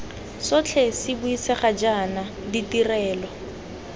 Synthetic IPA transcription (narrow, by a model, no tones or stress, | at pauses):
sɔt͡ɬʰɛsɪbʊisɛχad͡ʒana | ditirɛːlɔ